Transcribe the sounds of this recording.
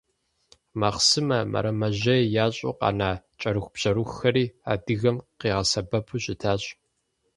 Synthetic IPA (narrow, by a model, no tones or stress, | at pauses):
mɐχsɨmɐmʔɐ̰ɾɐmɐʑɐjaːɕʼṵqɑ̰ːnaː | t͡ʃʼɐɾuxʷb̥ʑ̥ɐɾuxxɐɾiːa̰ːdɨɣɐmqiːʁɐsɐbɐpʰuɕʼɪtʰaːɕʼ